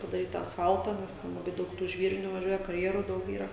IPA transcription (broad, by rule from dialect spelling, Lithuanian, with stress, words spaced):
pɐdɐˈrʲiːt tɑː ɐsˈfɐlˠtɑː nʲɛs ˈtʲɛn lˠɐˈbɐɪ ˈdɐʊk tuː ˈʒʲʋʲiːrʲɪnʲuː ʋɐˈʒʲuɔjɛ kɐrʲˈjæːruː ˈdɐʊk ˈiːrɐ